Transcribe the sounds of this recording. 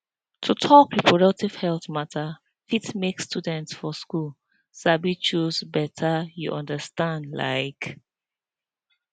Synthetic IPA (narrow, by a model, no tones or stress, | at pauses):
tʰutʰɔpʰɹipʰɹɔdʌk̚tiv̥hɛlˠθmatʰə | fitmekstudɛ̃ntsfɔskul | sabit͡ʃuzbɛtʰəjṵʔʌ̃ndəstãndla̰ɪk